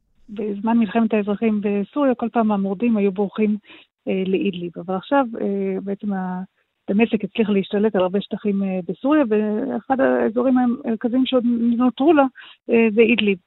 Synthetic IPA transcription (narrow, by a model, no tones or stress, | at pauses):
bezmanmilχe̞metaezʁaχimbe̞suʁjako̞lpaːmaːmoʁdimajubʁuχim | eleʔid̪libavalaχʃavebeet͡se̞ma | tame̞sekit͡sliχleiʃtale̞talaʁbe̞ʃt̪aχimebesuʁjaveḛχadaezo̞ʁimaeʁkaziimʃeodninot̪ʁulazeid̪lib